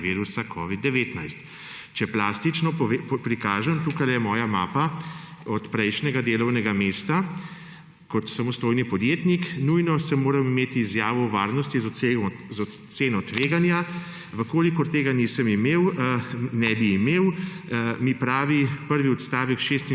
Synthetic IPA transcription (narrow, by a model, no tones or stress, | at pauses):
ʋiːɾusakʰɔʋid̪ːɛʋeːt̪najst̪ | t͡ʃɛplaːst̪it͡ʃnɔpɾikaːʒɛmt̪uːkajjɛmɔːjamaːpa | ɔt̪pɾɛjʃnɛɡad̪eːlɔwnɛɡameːst̪a | kɔt̪samɔst̪oːjnipɔd̪jeːt̪niknujnɔsɛmoːɾamimeːt̪iːzjaːʋɔwʋaːɾnɔst̪iz | zɔseːnɔt̪ʋeːɡanja | ʋəkoːlikɔɾt̪eːɡanisəmimeːw | nɛbiːmeːw | mipɾaːʋipəɾʋiɔt̪st̪aːʋɛkʃest̪i